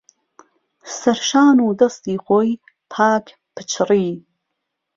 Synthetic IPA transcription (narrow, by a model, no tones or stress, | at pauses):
st̪ɐɾʃaːnuːd̪ɐst̪iːχʷoj | pʰaːkʰ | pʰɨ̥t͡ʃʰriː